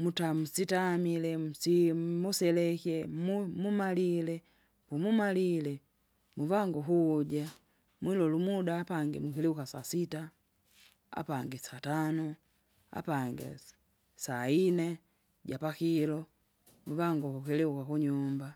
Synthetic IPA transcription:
mutam̩sitamilɛm̩simusɛlɛkɛmumumalilɛ | pumumalilɛ | muvaŋɡɔɦuɟa | mwilɔlumudaːpaŋɡɛmukilɛukasasita | a̰paŋɡɛsatanɔ | a̰paŋɡɛ̰ | sainɛ | ɟapakilɔ | muvaŋɡɔhukilɛukakuɲumba

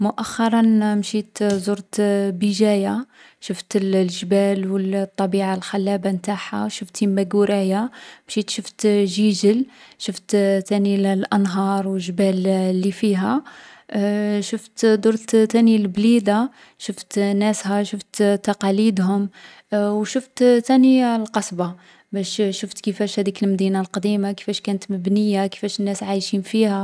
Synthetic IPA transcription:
mʊʔæxːɑɾˤɑnmʃit̪zuɾt̪bəʒæja | ʃəft̪llʒbælwəlt̪ˤːɑbiʕalxælːæbamt̪aħa̰ʃʊft̪imæɡuɾæjamʃit̪ʃəft̪ʒiʒəlʃəft̪t̪ænillʔɑnɦɑɾˤwəlʒbællːifiɦæ | ʃəft̪d̪uɾt̪t̪ænilblid̪a | ʃəft̪næshæʃəft̪t̪ɑqɑlid̪ɦʊm | wʃʊft̪t̪ænilqɑsˤbɑ | bæʃʃəft̪kəfæʃhæd̪ikəlmd̪inalqɑd̪imakə̥fæʃkænət̪məbnəjːakə̥fæʃənːæsʕajʃinfihæ

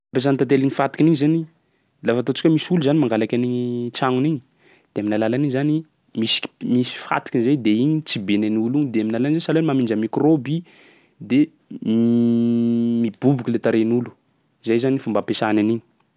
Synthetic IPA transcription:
apes̬ant̪at̪̬eliɲifat̪i̥kʲiniɲzani | lafat̪ot͡si̥kʲəmisuluzanimaŋɡalakʲaniɲit͡saŋuniɲi̥ | d̪̥eaminalalaniɲzani | misi̥misi̥fa̰t̪i̥kʲinzajd̪eiɲit͡sibenaniuluɲid̪eaminalanizesaloenmamind͡ʒəmikrobi | d̪e | mib̥ubukʲilet̪aɾenulu̥ | izajzanifumbapesananiɲi̥

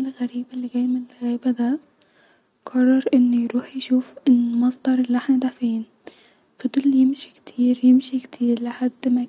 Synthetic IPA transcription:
ɪlɣaɾiːbalːiɡajmɪlɣiːbad̪a | qɑrˤːɑɾˤʔɪnːʊjɾuːħjʃuːfʔɪnːmɑsˤd̪ɑɾˤɪlːʔaħnad̪afiːn | fid̪ˤʊlːjɪmʃi̥kt̪ʰiːɾjɪmʃikt̪ʰiːɾlɪħad̪ːma

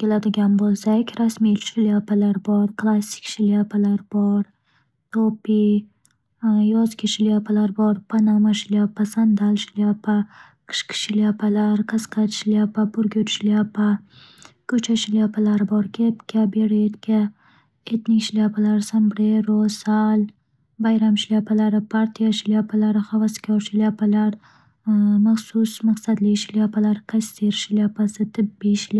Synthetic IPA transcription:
kʲelad̪ɪɡʲanbolˠsakʲɾasmiʃɪlijapalaɾbɒɾkʰlˠasɪ̥kʲʃɪljapʰalaɾbɒɾ | t̪ʰopi | jɒzkʲaʃɪlijapʰalaɾbɒɾpʰanamaʃɪlijapasand̪alʃɪliapʰa | qʰɨ̥ʃqʰɨ̥ʃɪliapʰalaɾqʰɨsqʰɑt̪ʃɪliapapʰʊɾɡʲʊt̪ʃɪliapʰa | kot͡ʃaʃiljapalaɾboɾkʲet̪kʲabeɽet̪kʲa | et̪nikʃilʲjapalaɾsambɽeɾosal | bajɾamʃiljapalaɾapaɾt̪ijaʃilʲjapalaɾaxawaskʲaɾʃiljapalaɾ | maχsusmaqsad̪liʃiljapalaɾkast̪eɾʃiljapasɨt̪ɨbːiʃil

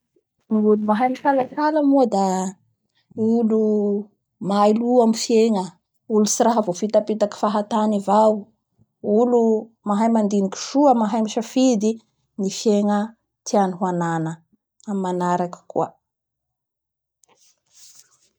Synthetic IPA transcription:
miulumaɦajmiʃalakaləmud̪a | ulu | majluamifjeŋə | ulusiɾaɦəvofit̪apit̪aki̥faɦat̪anivaw | ulu | maɦajmand̪iniki̥ʃuəmaɦajmiʃafid̪i | nifjeŋə | t̪ianiɦuananə | amimanaɾakə̥kṵə

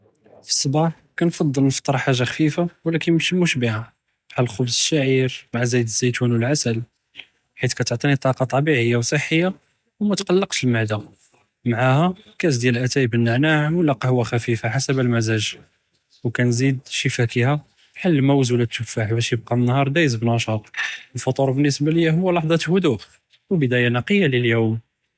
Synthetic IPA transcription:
fi̥sˤːbɑħ | kænfɑd̪ˤːəlnəft̪ˤɑɾˤħaʒːaxfifawlækənəmʃimʊʃbihæ | ʕalxʊbzəʃːaʕiɾmaʕazijd̪əzːæt̪wænwəlʕasəl | ħit̪kæt̪əʕt̪ˤinit̪ˤɑqɑt̪ˤɑbiʕəjːawsˤəħːəjːa | wmæt̪qɑlːəqt̪əlmaʕd̪a | maʕahækæt̪d̪jælʔæt̪æbənːaʕnaʕəmwəlːæqɑhʊwæxæfifaħasəbəlmæzæʒ | wkænzid̪ʃəfækihæ | ħalːmæwzulat̪ːʊfaħbæʃjəb̚qɑmənːhɑɾˤd̪æjəzbnɑʃɑt̪ˤwəlfɑt̪ˤuɾˤbənːəsbæləjːæhʊwːælɑħd̪ˤɑt̪hʊd̪uʔ | wəbəd̪æjanɑqəjːaləljum

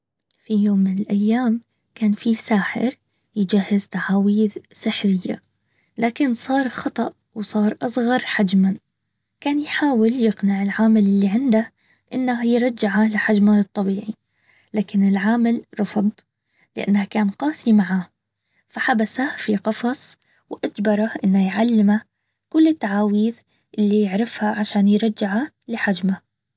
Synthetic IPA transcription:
fijoːmːɪnɪlʔajːaːm | kaːnfisaːħɪ̰ɾ | jɪd͡ʒahːɪzt̪aʕaːwiːðsɪħɾɪjːa̰ | laːkɪnsˤɑːɾˤxɑt̪ˤɑʔ | wsˤɑːɾˤʔɑsˤɣɑɾˤħad͡ʒman | kaːnjħaːwɪljɪɡnaʕɪlʕaːmalɪlːiʕɪnd̪a | ʔɪnːaɦajɾˤɑd͡ʒːɪʕalɪħad͡ʒmaɨt̪ˤːɑbiːʕi | laːkɪnɪlʕaːmɪlɾˤɑfʊd̪ˤ | lɪʔa̰nːahakaːnqɑːsˤimaʕaː | faħabasafiqɑfɑsˤ | wʔad͡ʒbɑɾˤaʔɪnːhajʕalːɪma | kʊlːɪt̪ːaʕaːwiːð | ʔɪlːijɪʕɾɪfhaʕaʃaːnjɾˤɑd͡ʒːɪʕa | lɪħad͡ʒma

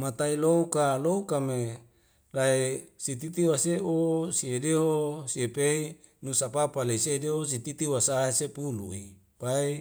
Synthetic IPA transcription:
mat̪ailoukaloukame | laesit̪it̪iwaseosiedeɦosiepei | nusapapaleisedeɦos̬it̪it̪iwasaɦesepulṵi | pai

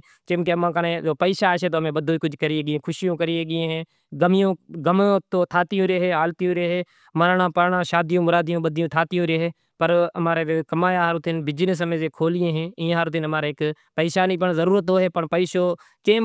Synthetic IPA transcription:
t͡ʃɪ̃mkemãːkənẽːd͡ʒoːpəiːʃaːʃeːt̪oːɦəmẽːbəd̪ʱoːiːkʊd͡ʒkəɾieːɡɪẽːkʰʊʃɪjõːkəɾieːɡɪẽɦɛ̃ː | ɡəmɪjõːɡəmõːt̪oːt̪ʰaːt̪ijõːɾeɦeːaːlt̪ijõːɾeɦeː | məɾɳãːpəɾɳãːʃaːd̪ijõːmʊɾaːd̪ɪjõːbəd̪ɪjõːt̪ʰaːt̪ɪjõːɾeːɦeː | pəɾəmaːɾeːkəmaːjaːɦəɾt̪ɪnbɪd͡ʒnɪs̬əmẽːzeːkʰoːlɪẽːɦɛ̃ːɪjãːɦəɾt̪ɪnəmaːɾeːk | pəiːʃaːniːpəɳzəɾuːɾət̪ɦoːɦeːpəɳpəiːʃoː | kẽː

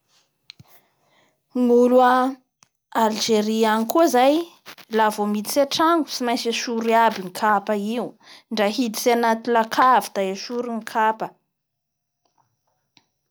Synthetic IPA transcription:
ŋulua | ald͡ʒeɾianikuzajlavomid̪isaʈ͡ʂaŋɡusimajsaʃuɾiabiŋikʰapəiu | ɳɖ͡ʐaɦid̪isianat̪ilakʰavid̪̥ajaʃuɾuŋikʰapə

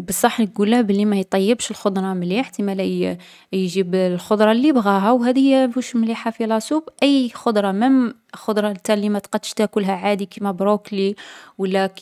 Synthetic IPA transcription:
bəsˤːɑħnəɡulæbəlːimæjt̪ˤɑjːəbʃəlxod̪ɾˤɑmliħt̪imæl | jʒiblxod̪ˤɾˤɑlːibɣæɦæwɦæd̪əjːæfuʃmliħafilɑsubʔəjxod̪ˤɾˤɑməm | xod̪ɾˤɑt̪ːælːimæt̪qɑd̪ːə̥ʃt̪ækʊlɦæʕad̪ikimæbɾokliwəlːæk

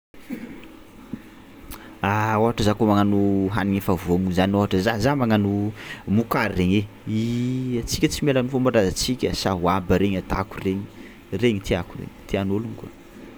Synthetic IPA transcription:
aoaʈ͡ʂəzakomaŋanuɦaniɲefavuaŋuzanioaʈ͡ʂəzazamaŋanumukaɾireɲe | iat͡sikʲət͡simelanifombaɖ͡ʐazat͡sikʲəsaɦuabəɾeɲat̪a̰kureɲi | reɲit̪ʰiakurḛɲt̪ʰianolunika̰

